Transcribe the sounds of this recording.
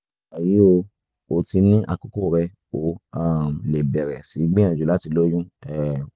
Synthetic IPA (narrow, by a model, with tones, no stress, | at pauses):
ɛ˨ji˨˦o˧ | o˨ti˧nĩ˦ʔa̰˧ko˦ko˦˨ɾɛ˧ | o˨˦a˦˨mle˨bɛ˨ɾɛ˨si˨˦ɡ͡bẽ˦ã˨d͡ʒu˨la˦ti˧lo˦jũ˦ɛ˦˨